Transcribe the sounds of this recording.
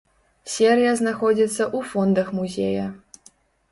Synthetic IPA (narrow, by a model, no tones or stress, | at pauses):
sʲeɾʲjɐznaxɔd͡zʲit̪sːɐʔufɔnd̪ɐxmuzʲejɐ